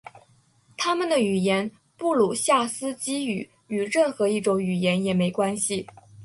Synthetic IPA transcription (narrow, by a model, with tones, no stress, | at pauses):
t̪ʰa˥mə˨nd̪ə˩y˨˩jɛ˧˥n | pu˥˩lu˨˩ɕja˥˩sɹ̩˥t͡ɕi˥y˨˩˦ | y˨˩ɻə˥˩nxɤ˧˥i˥˩ʈ͡ʂʊ˧˥ŋy˨˩jɛ˧˥njɛ˨˩me˧˥ɪkwa˥nɕi˨